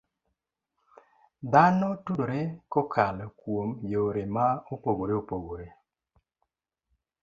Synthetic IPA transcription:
d̪anɔtudoɾekɔkʰalkwomjoɾemaopoɡoɾeopoɡoɾe

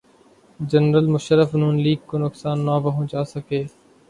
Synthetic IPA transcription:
d͡ʒənɾəlmʊʃəɾəfnũːnliːɡ̚koːnʊksaːnːaːʋəɦʊ̃ːt͡ʃaːsəkeː

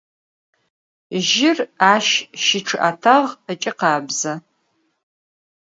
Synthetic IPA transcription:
ʒɪraːʃʃɪʈ͡ʂʰɨʔatʰaʁət͡ʃʼɪqɑːbzɐ

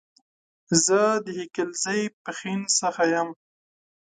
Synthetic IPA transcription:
zəd̪əhikəlzajpəxinsəxajam

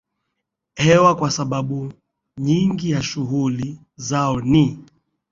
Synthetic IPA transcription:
hɛwakwasaɓaɓu | ɲiŋɡijaʃuɣuli | zaɔni

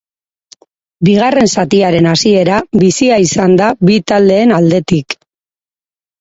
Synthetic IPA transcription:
biɣ̞are̞nsat̪iaɾe̞nasie̞ɾaβisiaisand̪aβit̪ald̪e̞ːnald̪e̞t̪ik

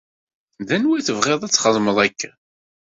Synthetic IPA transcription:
ðænwæθəvʁeðˤæt͡sːχəðˤməðˤækʰː

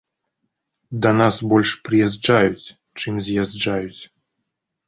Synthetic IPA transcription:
d̪ɐnasbɔlʲʂpɾɨjazd͡ʐajut͡sʲ | t͡ʂɨmzʲjazd͡ʐajut͡sʲ

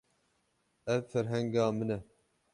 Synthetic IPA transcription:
ɛvfɛɾɦɛŋɡɑːmɨnɛ

